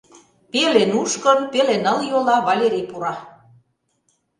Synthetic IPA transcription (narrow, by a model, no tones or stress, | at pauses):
pelenuʃkɤnpelenə̆ljolɑβɑlʲeɾʲejpuɾɑ